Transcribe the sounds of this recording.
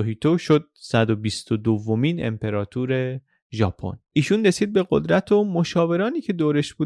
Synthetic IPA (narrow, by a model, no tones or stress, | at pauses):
oɦit̪ʰoʃo̞d̪̚sæd̪o̞bist̪ʰod̪ovːomiːnḛmpʰe̞ɾɒːt̪ʰuːɾe̞ | ʒɒ̰ːpʰo̰nʔiːʃunre̞siːd̪̚be̞ɢo̰d̪ɾæt̪ʰomo̞ʃɒːve̞ɾɒːniːcʰe̞d̪oːɾe̞ʃbuː